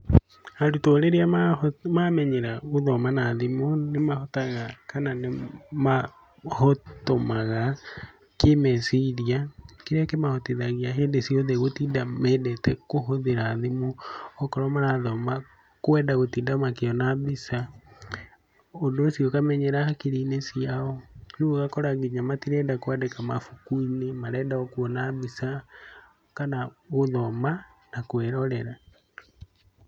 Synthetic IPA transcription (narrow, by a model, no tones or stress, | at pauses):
andutoɾeɾeamamamɛɲeɾaoðɔmanaːðimonemahotaɣakananema | hotomaɣa | kemesiɾiakeɾakemahotiðaɣiaɦeːndesioðeɣotiːdameːdɛtɛkoɦoðeɾaːðimoɔkɔɾɔmaɾaðɔma | kwɛdaɣotindamakeɔnaβisa | ondoːsjɔkamɛɲɛɾahakeɾiːnesiaɔnuoɣakɔɾaɡiɲamatiɾɛdakoɛdɛkamafukuinemaɾɛːdaɔkwɔnaβisa | kanaɣoðɔmanakwɛɾɔɾɛɾa